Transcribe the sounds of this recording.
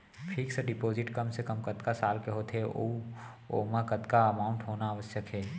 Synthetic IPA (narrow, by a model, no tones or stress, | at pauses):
pʰiːkseɖɪpoːzɪʈkɐmsekɐmkɐt̪kasaːlkeɦoːt̪ʰɦeo̰ | o̰ːmakɐt̪kaɐmaːʊ̃ɳʈɦoːnaːʋəsjəkɦɛː